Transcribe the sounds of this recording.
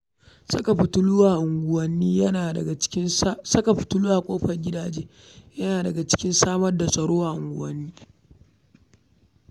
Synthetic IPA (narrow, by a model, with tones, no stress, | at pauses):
sa˦ka˨ɸɪ˨tʊ˦lʊ˦waː˨ʔʊ˨ŋɡʷʊ˨wɐ˦nːiː˦jɐ˦naː˨dɐ˨a˨t͡ʃɪ̥˦ɪ˦nsɐ˦ka˨ɸɪ̥˨tʊ˦lʊ˦wa˨kʷʼoː˦ɸɐ˨rɡʲɪ˦daː˨d͡ʒeː˦ | jɐ˦naː˨dɐ˨ɡa˨t͡ʃɪ̥˦kʲɪ˦nsaː˦mɐ˦rda˨sɐ˨ɽoː˦wa˦˨ʔʊ̰˨ŋɡʷʊ̰˨wɐ˦nːiː˦